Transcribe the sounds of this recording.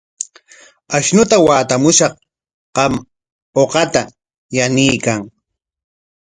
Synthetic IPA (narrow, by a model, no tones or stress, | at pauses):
aʃnʊt̪awaːt̪amʊʃɑχ | qɑm | oqɑt̪a | janɪjkaŋ